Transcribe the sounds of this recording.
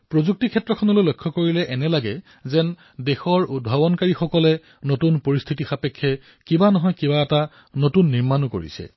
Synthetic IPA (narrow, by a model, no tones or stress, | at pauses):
pɹozuk̚tikʰɛtːɹɔkʰɔnɔlojlojkʰːɔkoɹilɛʔɛnɛlaɡɛ | zɛn | dexɔɹud̚bʱabɔnkaɹixɔkɔlɛ | notunpoɹist̪ʰitixapekʰːɛ | kibanɔɦɔjkibaɛta | notunːiɹmanuko̰ɹḭsɛ̰